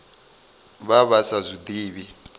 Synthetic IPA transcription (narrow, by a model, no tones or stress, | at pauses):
βaβasazʷid̪iːβi